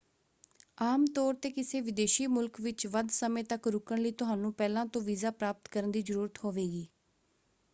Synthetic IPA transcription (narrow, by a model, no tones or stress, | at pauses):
aːmt̪ɔːɾt̪eːkɪseːʋɪd̪eːʃiːmʊlkʋɪt͡ʃʋəd̪səmẽːt̪əkɾʊkəɳləiːt̪ʊɦaːnũːpɛːlãːt̪õːʋiːzaːpɾaːpət̪kəɾənd̪iːzəɾuːɾət̪hoːʋeːɡiː